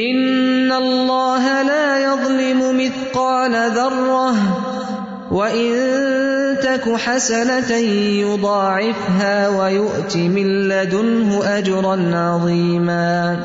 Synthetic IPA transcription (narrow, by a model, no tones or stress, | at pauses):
ʔɪnnːallːɑːɦalaːjɑðˤlɪmʊmɪθqɑːnaðɑrˤːɑh | waʔɪn | t̪akʊħasanajʊd̪ˤɑːʕɪfɦaːwajʊʔt̪ɪmɪlːad̪ʊnɦʊʔad͡ʒɾˤɑnʕɑðˤiːmaː